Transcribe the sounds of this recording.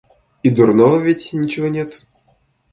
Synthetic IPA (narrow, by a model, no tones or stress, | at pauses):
id̪urnovəvʲetʲnʲit͡ɕɪvonʲet̪